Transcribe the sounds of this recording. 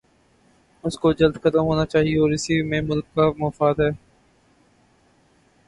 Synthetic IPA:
ʊskod͡ʒɐld̪xɐt̪əmɦoːnat͡ʃaːɦieɔːɾɪsimẽmʊlkːamɔfaːd̪ɦɛː

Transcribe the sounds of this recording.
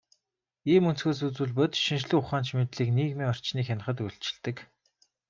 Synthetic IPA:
iːmɵn̥t͡sɡoːs̬ut͡suːɮpʊt̪ʃinʃɮuːʊχaːnt͡ɕmet̪ɮiːkniːɣmiːŋɔr̥t͡ɕniːxʲanə̆χə̆t̪uɬʲt͡ɕɪ̥̆ɮt̪ɘ̆k

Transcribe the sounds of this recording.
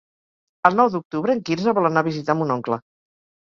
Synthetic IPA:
əlˠnɔwd̪uk̚t̪uβɾəːŋkinzəβɔlənaβizit̪amunɔŋklə

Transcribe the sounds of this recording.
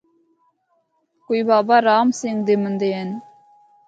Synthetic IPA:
kujbɑbɑɾɑːmseŋd̪emənd̪eɛn

